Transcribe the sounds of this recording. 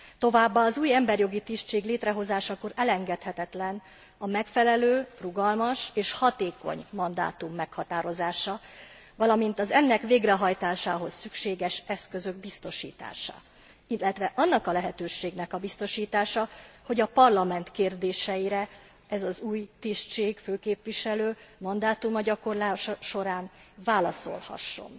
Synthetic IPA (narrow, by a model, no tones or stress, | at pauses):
t̪o̞vaːbːaːzuːjɛmbɛrjo̞ɡit̪iʃt͡ʃeːɡleːt̪rɛɦo̞zaːʃɒkoɾʔɛlɛŋɡɛt̪hɛt̪ɛt̪lɛn | ɒmɛkfɛlɛløːruɡɒlmɒʃeːʃhɒt̪eːko̞̰ɲmːɒnd̪a̰ːt̪umːɛkhɒt̪aːɾo̞zaːʃɒ | vɒlɒmint̪ɒzɛnːɛkʋeːɡrɛɦɒjt̪aːʃaːɦo̞sːykʃeːɡɛʃɛskø̞zø̞ɡbist̪o̞ʃḭːt̪a̰ːʃɒ̰ | ilːɛt̪ʋɛʔɒnːɒkɒlɛɦɛt̪øːʃeːɡnɛkɒbist̪o̞ʃiːt̪aːʃɒho̞ɟɒpɒrlɒmɛnt̪keːrd̪eːʃɛjiɾɛ | ɛzɒzuːjt̪iʃt͡ʃeːɡføːkeːpʋiʃɛløːmɒnd̪aːt̪umɒɟɒko̞rlaːʃʃo̞ɾaːnvaːlɒso̞̰lhɒ̰ʃːo̞̰n